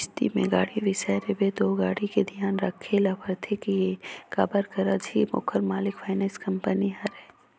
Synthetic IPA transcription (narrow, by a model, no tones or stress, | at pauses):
st̪ḭmḛ̃ɡaːɽiʋɪsɛɾebed̪oːɡaːɽiked̪ʱijaːnɾɐkʰːelapʰəɾt̪ʰekiekaːbəɾkəɾad͡ʒʱimʊ̰kʰəɾmaːlɪkfaːɪnɛːskɐmpəniɦɐɾɛ